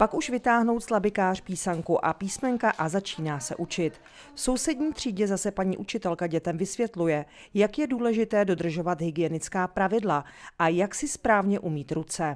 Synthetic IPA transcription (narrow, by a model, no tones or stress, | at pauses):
pakuʃvɪt̪aːɦno̞wt̪slabɪkaːr̝̥piːsaŋkuʔapiːsmɛŋkaʔazat͡ʃiːnaːsɛ̰ʔut͡ʃɪt̪ | fso̞wsɛdɲiːt̪r̝̥iːɟɛzasɛpaɲḭːʔut͡ʃɪt̪ɛlkaɟɛt̪ɛmvɪsvjɛt̪lujɛ | jakjɛduːlɛʒɪt̪ɛːdo̞d̪r̩ʒo̞vat̪ɦɪɡɪjɛnɪt͡skaːpɾavɪdlaʔajaksɪspɾaːvɲɛʔumiːt̪ɾut͡sɛ